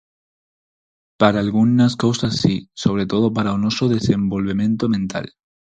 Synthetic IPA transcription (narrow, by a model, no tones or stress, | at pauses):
paɾaːlɣunaskowsasːiso̞β̞ɾe̞t̪o̞ð̞op̬aɾaonosoðe̞se̞mbo̞lβemẽ̞nt̪omẽnt̪a̰l